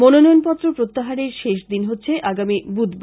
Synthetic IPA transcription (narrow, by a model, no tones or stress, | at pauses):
mononɔjonpɔt̪ːɾopɾot̪ːaɦaɾeɾʃeʃd̪inɦotːɕʰeʔaɡamibud̪b